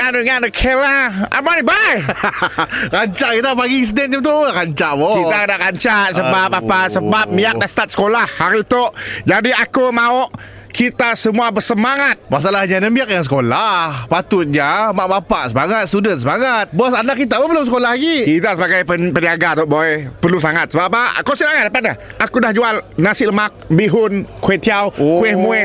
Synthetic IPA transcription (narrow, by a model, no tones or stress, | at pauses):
andəŋandəkʰelaa̰manibaj | kaɲt͡ʃaʔkit̪apaɡis̬ədɛnɲat̪uaʔkaɲt͡ʃaʔbokit̪akadaʔkaɲt͡ʃaʔsəbapabpasəbapp̚miak̚dast̪at̪̚sə̥kolahhaɾit̪oʔd͡ʒadiakomaʊʔ | kʰit̪asəmuabərsəmaŋat̪̚mas̬alahɲanamiak̚jaŋsəkolahpat̪ʊt̪̚ɲamaʔbapaʔsəmaŋat̪̚st̪udənsəmaŋat̪̚buasanakːit̪̬apəpərlʊms̬əkolahɡikit̪asəbaɡajpəpəniaɡat̪oʔboɛpərlusaŋat̪̚səbapa̰kosilaŋat̪̚dapat̪̚naakudahd͡ʒualnasɪʔləmak̚biɦʊnkuet̪iawkuɛhmuɛ